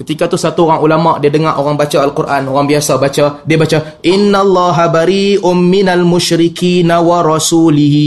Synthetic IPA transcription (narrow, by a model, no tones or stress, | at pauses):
kət̪ikat̪usat̪uoɾaŋulamaʔdiadəŋaʔoɣaŋbat͡ʃaalkurʔanoɣaŋbiasabat͡ʃadiabat͡ʃa | ʔɪnːalːɑːɦabaɾiːʔʊnmɪnalmʊʃɾɪkiːnawaɾɑsuːlɪɦi